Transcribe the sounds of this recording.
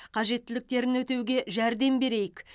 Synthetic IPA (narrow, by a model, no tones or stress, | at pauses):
qʰɑʒe̞t̪ːɪlɪk̚t̪e̞ɾɪnwɵt̪e̞wɡʲe̞ʒæɾd̪e̞mbe̞ɾe̞jɪk